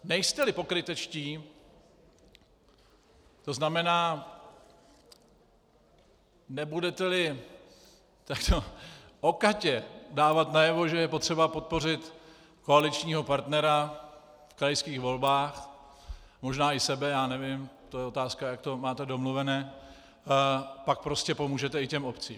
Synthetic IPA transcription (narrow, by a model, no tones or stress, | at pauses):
nɛjst̪ɛlɪpo̞kɾɪt̪ɛt͡ʃciː | t̪o̞znamɛnaː | nɛbudɛt̪ɛlɪ | t̪akt̪ʰoʔokacɛdaːvat̪najɛvo̞ʒɛjɛpo̞t̪r̝̥ɛbapo̞t̪̚po̞r̝ɪt̪ | ko̞alɪt͡ʃɲiːɦo̞paɾt̪nɛɾa | fkɾajskiːxvo̞lbaːx | mo̞ʒnaːɪsɛbɛjaːnɛvɪmt̪o̞jɛo̞t̪aːskajak̚t̪o̞maːt̪ɛdo̞mluvɛnɛː | pak̚pɾo̞scɛpo̞muːʒɛt̪ɛɪcɛmo̞pt͡siːm